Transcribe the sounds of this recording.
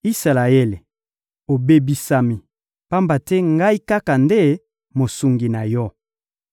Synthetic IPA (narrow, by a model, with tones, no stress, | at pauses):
i˦sa˨la˨e˦le˨ | o˨be˦bi˨sa˨mi˨ | pa˦mba˨tɛ˦ŋɡa˦i˦ka˦ka˨nde˦ | mo˨su˨ŋɡi˨na˨jɔ˦